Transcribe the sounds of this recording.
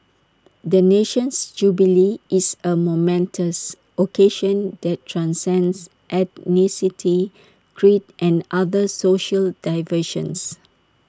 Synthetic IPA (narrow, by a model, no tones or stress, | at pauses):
d̪əneʃə̃nsd͡ʒubiliisəmomɛ̃ntʰəs | ʔokʰeʃə̃ndɛttʰːɹãnsɛ̃ns | ʔɛdnisitʰi | kʰɹitʔɛ̃nadəsoʃəldaɪvəʃə̰̃ns